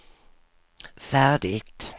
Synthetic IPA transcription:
fæːɖɪɡt̪

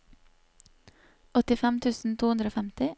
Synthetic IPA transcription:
ʔɔt̪ɪfɛmt̪ʰʉːsn̩t̪ʰuːʉnd̪ɾoːfɛmt̪ɪ

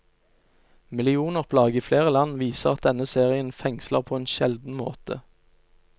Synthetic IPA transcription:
mɪlɪuːnəʁpʰlɑːɡəiːfleːʁəlɑnʋiːsəʁɑt̪̚d̪ɛnəseːʁɪənfɛŋslə̰ʁpʰoːeːnʃɛld̪n̩mo̰ːt̪ə̰

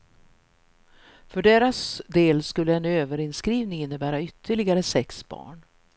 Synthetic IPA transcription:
fœɖeːɾasd̪eːlskɵlːəɛnøːvəɾɪnskɾiːvnɪŋɪnːəbæːɾaʏt̪ʰːəɭɪɡaɾəsɛksb̥ɑ̰ːɳ

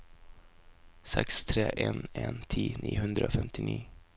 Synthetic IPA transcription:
sɛkst̪ʰɾeːʔeːneːnt̪ʰiːnʔiːhʉnd̪ɾəoːfɛmt̪ɪnʔiː

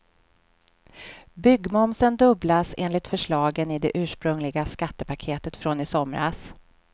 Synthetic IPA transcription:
bʏɡːmɔmsənd̪ɵblasḛːnlɪt̪fœʂɭɑːɡənɪd̪ɛʔʉ̟ːʂpɾɵŋlɪɡaskat̪ːəpʰakʰeːt̪ət̪fɾonɪsɔmɾa̰s

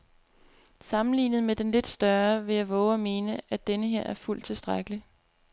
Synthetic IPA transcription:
sɑ̈mn̩lḭːnð̩ˠmed̥enle̝d̥sd̥ɶɐʋe̝jɑʋɔʊɒme̝ːnəʔæd̥enəɦe̝ɐ̰ʔæɐful̰d̥̚t͡sʰe̝lsd̥ʁaɡ̥əli

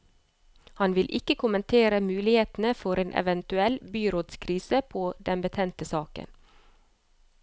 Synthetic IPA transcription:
hɑnʋɪlʔɪkəkʰʊmənt̪ʰeːɾəmʉːlɪheːt̪n̩əfɔɾeːnʔɛ̰ʋɛnt̪ʉɛlbyːɾoːd̪skʰɾiːsəpʰoːd̪ɛnbət̪ʰɛnt̪əsɑːkə̰n

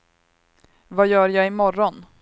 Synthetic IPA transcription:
vajœːɾjaːɪmɔɾɔn

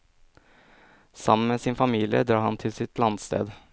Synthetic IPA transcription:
sɑ̰mən̩meːsɪnfɑmiːlɪə̰d̪ɾɑːhɑnt̪ʰɪlsɪt̪lɑnst̪ḛːd̪

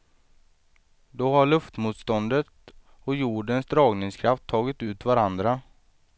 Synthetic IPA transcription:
d̪ɔɦaɭɵft̪muːt̪st̪ɔnd̪ət̪ | ɔjuːɖənsd̪ɾɑːɡnɪŋskʰɾaft̪ʰːɑːɡɪt̪ʉ̟ːt̪vaɾand̪ɾa

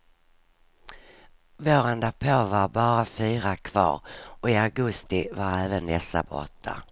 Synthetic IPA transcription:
voːɾɛnd̪apʰoːvaɾbɑːɾafyːɾakʰvɑ̰ːɾɔɪaɡɵst̪ɪvaɾɛːvənd̪ɛsːa̰bɔ̰t̪ʰːa̰

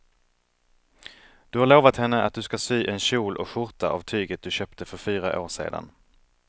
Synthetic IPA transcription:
d̪̥ɵhaɾɭoːvat̪hɛnːəat̪̚d̪ɵskasyːʔɛnɕuːlʔɔɧʊɾt̪aʔa̰vt̪ʰyːɡət̪̚d̪ɵɕøːpt̪ʰəfœɾfyːɾaʔo̰ːʂḛːd̪a̰n

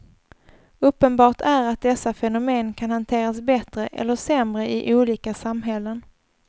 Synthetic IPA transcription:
ɵpːənbɑːʈʰæɾat̪̚d̪ɛsːafɛnʊmeːnkʰanhant̪ʰeːɾasbɛt̪ɾəʔɛ̰lːəʂɛmɾəʔɪ̰ʔuːliːkasamɦɛlːən

